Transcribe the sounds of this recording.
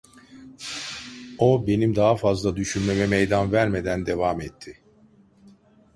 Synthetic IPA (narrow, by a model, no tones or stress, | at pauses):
obe̞nimd̪aɦafazlˠad̪yʃynme̞mɛmejd̪anvæɾme̞d̪ænd̪e̞vamɛt̪ʰːɪ